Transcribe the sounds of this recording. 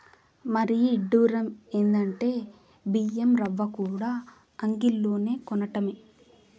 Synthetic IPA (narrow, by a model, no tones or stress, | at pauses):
mɐɾijiiɖːuːɾɐme̞ːnd̪ɐɳʈe̞ː | biːemɾɐʋːɐkuːɽaː | ɐŋɡilːo̞ːne̞ːkɔnɐʈɐme